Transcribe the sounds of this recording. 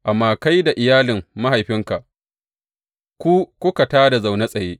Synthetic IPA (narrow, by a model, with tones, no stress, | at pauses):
ʔa˨mːaː˦ka˦jda˨ʔɪ˨jaː˦lɪ˨mːa˦ɦa˨jɸɪ˦ŋka˨ʔ | kʷu˦kʷʊ˦ka˨taː˦da˨za˨wna˦sʼɐ˨jeː˦ʔ